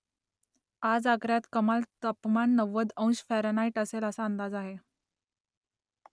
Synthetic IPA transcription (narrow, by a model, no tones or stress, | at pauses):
ad͡zaɡɾjat̪kəmalt̪əpmanːəʋəd̪ə̃w̃ɕfæɾnaiʈəseləsaənd̪ad͡zaɦe